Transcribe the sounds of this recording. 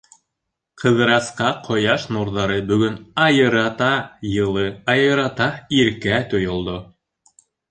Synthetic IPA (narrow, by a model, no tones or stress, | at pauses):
qʰɤ̆ðɤɾɑsqɑqʰŏjɑʃnuɾðɑɾɤbɵ̆ɡɵnɑjɤ̆ɾɑt̪ɑjɤ̆lˠɤɑjɤ̆ɾɑt̪ɑiɾkæt̪ŏjŏlˠd̪o